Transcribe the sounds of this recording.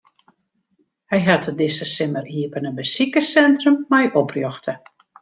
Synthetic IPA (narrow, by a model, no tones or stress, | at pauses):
hɛjɦatədɪsəsɪməriəpənəbəsikəsɛntrəmːɛjʔɔprjɔxtʰə